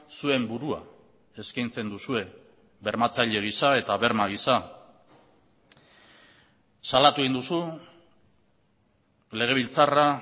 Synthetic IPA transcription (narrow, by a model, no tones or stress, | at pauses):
sue̞mbuɾua̰ | e̞skajnt͡se̞nd̪usue̞ | βe̞ɾmat͡saʎe̞ɣ̞isae̞t̪aβe̞ɾmaɣ̞isa | salat̪ue̞ind̪usu | le̞ɣ̞e̞βilt͡sara